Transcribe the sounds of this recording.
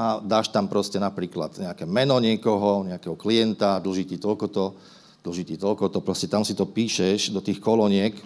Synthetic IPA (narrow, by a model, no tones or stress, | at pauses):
ad̪aːʃt̪ampɾɔscɛnapɾiːkla̰d̪̥ɲɛakɛmɛnɔɲɪɛkɔɦɔɲɛakɛɦɔklijɛnt̪ad̪l̩ʒit̪it̪ɔlkɔt̪ɔ | d̪̥l̩ʒit̪it̪ɔlkɔt̪ɔpɾɔscɛt̪amsit̪ɔpiːʃɛʒd̪ɔt̪iːxkɔlɔɲɪɛk